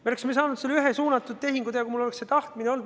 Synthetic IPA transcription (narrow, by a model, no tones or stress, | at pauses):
meolesmesɑːnud̪selːyɦesuːnɑt̪ːˑud̪̥̚t̪e̞ɦiŋɡud̪ejɑkuimulo̞lekset̪ɑht̪mineo̞ld̪